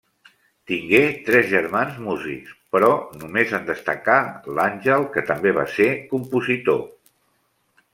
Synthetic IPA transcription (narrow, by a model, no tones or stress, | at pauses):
t̪iŋɡet̪ɾɛzʒəɾmanzmuzḭkspɾɔnumezənd̪əst̪əkalanʲʒəlˠkət̪əmbeβ̞a̰sekumpuzit̪o̰